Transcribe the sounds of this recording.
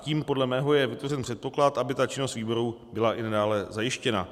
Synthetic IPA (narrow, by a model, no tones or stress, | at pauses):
ciːmpo̞dlɛmɛːɦo̞jɛvɪt̪vo̞rɛnpr̥ɛt̪̚po̞klat̪ʔabɪt̪at͡ʃɪno̞st̪viːbo̞ɾu | bɪlaʔɪnadaːlɛzajɪʃcɛna̰